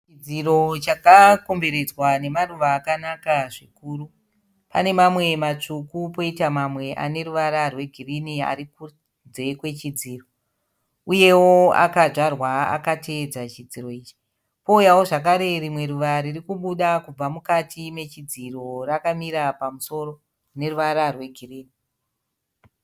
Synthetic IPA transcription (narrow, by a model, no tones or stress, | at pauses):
t͡ʃid͡ziro̞t͡ʃakako̞mbe̞ɾe̞d͡zwane̞maruʋaːkanakaʐikuːru | pa̰ne̞mamwe̞mat͡ʂukupo̞itamamwe̞ʔa̰ne̞ɾuʋaɾarwe̞ɡʱirinia̰ɾiku | d͡ze̞kwe̞t͡ʃid͡ziːro̞ | uje̞woa̰kaʐarwaa̰katʰe̞d͡zat͡ʃid͡ziro̞iːt͡ʃi̥ | po̞ujawo̞ʐakaɾe̞rimwe̞ɾuʋaɾirikuɓuɗakub͡vamukatʰime̞t͡ʃid͡ziro̞rakamiɾapamuso̞ro̞ | ne̞ruʋaɾarwe̞ɡʱiriːni